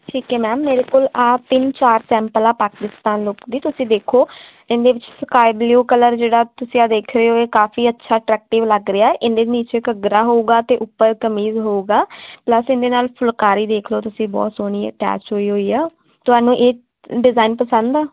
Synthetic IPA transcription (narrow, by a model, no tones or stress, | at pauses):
ʈʰiːkɛːmɛːmːeːɾeːkoːlaːt̪ɪnt͡ʃaːɾsɛ̃ːmpəlaːpaːkɪst̪aːnloːkd̪iːt̪ʊsĩːd̪eːkʰoː | ɪ̃nd̪eːʋɪt͡ʃskaːɪbljuːkələɾd͡ʒeːɽaːt̪ʊsĩːaːd̪eːkʰɾeːoːeːkaːfiːətːʃʰaːʈɾɛːk̚ʈɪʋləɡɾɪjaːɛːʔɪnd̪eːniːt͡ʃeːkəɡɾaːɦoːuːɡaːt̪eːʔʊpːəɾkəmiːzɦoːuːɡaːpləsɪnd̪eːnaːlpʰʊlkaːɾiːd̪eːkʰloːt̪ʊsĩːbɔ̰ːt̪soːɽ̃iːəʈɛ̰ːt͡ʃɦoːiːɦoːiːaː | t̪ʊɦaːnũːʔeː | ɖɪzaːiːnpəsə̃nd̪aː